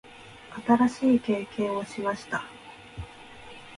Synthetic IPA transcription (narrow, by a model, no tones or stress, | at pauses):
at̪aɾaɕiːke̞ːkẽ̞ɰ̃o̞ɕimaɕi̥t̪a